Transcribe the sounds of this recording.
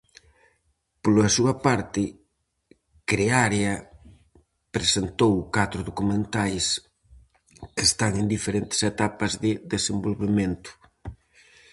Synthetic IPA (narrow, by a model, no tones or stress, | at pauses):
polɐsuɐpaɾt̪ɪ | kɾeaɾeɐ | pɾesent̪owkat̪ɾʊðokumẽnt̪ajs | kest̪aŋend̪ifeɾent̪ɪ̥set̪apɐzðɪðesembolβemẽnt̪ʊ̥